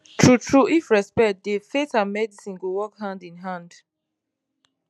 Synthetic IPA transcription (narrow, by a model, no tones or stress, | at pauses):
tʰɹutʰɹuifɹɛspɛkt̚defetãnmɛdisĩnɡowɔkhãndĩnɦãnd